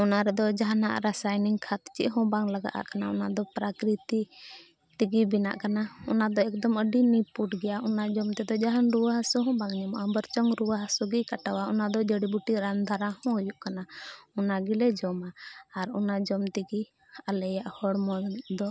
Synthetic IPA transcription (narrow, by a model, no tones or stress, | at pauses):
ɔnaɾɛd̪ɔd͡ʒaɦana̰ʔɾasajniŋkʰat̪t͡ʃḭʔɦɔ̃baŋlaɡa̰ʔa̰ʔkanaɔnad̪ɔpɾakɾit̪i | t̪iɡibina̰ʔkanaɔnad̪ɔɛkd̪ɔməɖinipuʈɡɛjaʔɔnad͡ʒɔmt̪ɛd̪ɔd͡ʒaɦanɾuwaɦasuɦɔ̃baŋɲɛmaʔabəɾt͡ʃɔŋɾuwaɦasuɡikaʈawaɔnad̪ɔd͡ʒəɽibuʈiɾand̪ʱaɾahɔ̃ujuʔkanaɔnaɡilɛd͡ʒɔmaːɾɔnad͡ʒɔmt̪iɡi | alɛjaʔhɔɽmɔd̪ɔ